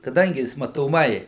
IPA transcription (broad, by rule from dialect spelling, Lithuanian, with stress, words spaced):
kɐˈdɐŋʲɡʲɪ ˈjɪs mɐtoːˈmɐɪ